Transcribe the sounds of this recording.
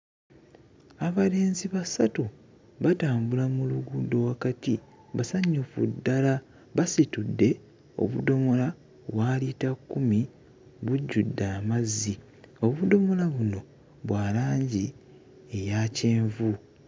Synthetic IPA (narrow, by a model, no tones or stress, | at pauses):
aβale̞ːnziβasatu | βataːmbulamuluɡudo̞wakati | βasaɲːufṵdːala | βasitudːe̞ | o̞̰βṵdo̞mo̞la | βwaːlitakːumi | βuɟːudːaːmazi | o̞βudo̞mo̞laβuno̞ | βwaːlaːɲɟi | e̞jace̞ːɱvu